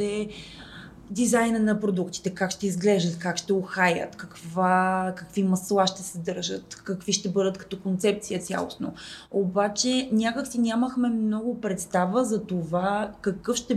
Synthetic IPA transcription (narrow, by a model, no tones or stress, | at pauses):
t̪ɛ | d̪izajnənɐpɾod̪ukt̪i̥t̪ɛkakʃt̪ɛizɡlɛʒd̪ət̪kakʃt̪ɛoxajə̰t̪kɐkvakəkvimɐslˠaʃt̪ɛsɛd̪ɤɾʒət̪kɐkviʃt̪ɛbɤd̪ət̪kɐ̥t̪ɔkont̪sɛp̚t̪sijət̪sʲa̰lˠo̰sno̰obat͡ʃɛnʲakəksinʲaməxmɛmnɔɡʊpɾɛt̪st̪avəzɐt̪ovakɐkɤfʃt̪ɛ